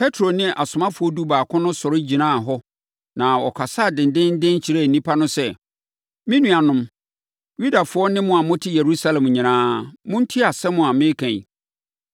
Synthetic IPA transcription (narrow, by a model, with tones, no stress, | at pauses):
pʰɛ˦tʰɾo˨nɪ̃˦ʔa˨sʊ˨mã˦fʊ˨˦ɔ˦du˦baː˨kʰʊ̃˦nʊ̃˦sɔ˨ɾɪ˦d͡ʑi˨nãː˦˨ɦɔ˦ | nã˨ɔ˨kʰa˨sa˦˨dɪ̃˨n˨dɪ̃˦n˦dɪ̃˦n̩˦t͡ɕʰi˨ɾa˦˨n̩˨nĩ˦pʰa˦nʊ̃˦sɛ˦ | mĩ˦nũ˨a˨nʊ̃˦m | ju˦da˨fʊ˦ɔ˦nɪ̃˦mʊ̃˦a˨mʊ̃˦tʰɪ˦je˨ɾu˦sa˦lɛ̃˨m˨ɲĩ˨nãː˦mʊ̃˦n̩˦tʰi˦a˨sɛ˦mʊ̃˨a˨mɪ̃˦kʰæ̰̃˨